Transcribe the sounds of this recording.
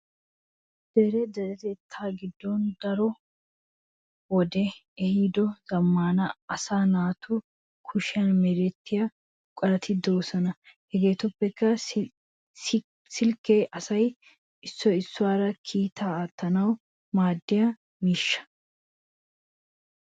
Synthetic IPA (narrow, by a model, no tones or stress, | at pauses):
d̪̥ɛɾɛd̪ɐɾɛt̪eːt̪ʰːaːɡɪd̪ːɔnd̪ɐɾɔ | wɔd̪ɛ | ɛhid̪ɔzɐmːaːnɐɐsaːnaːt̪ʊ | kʰʊʃɪjɐnmɛɾɛt̪ːɪjɐ | kʼɐlɐt̪ʰɪd̪oːsɐnɐhɛɡe̞ːt̪ʊpːɛkːɐ | sɪlkːeːʔɐsɐj | ɪsːɔɪsːʊwaːɾɐkʰiːt̪aːaːt̪ːɐnɐw | maːd̪ːɪjɐ | miːʃːɐ̥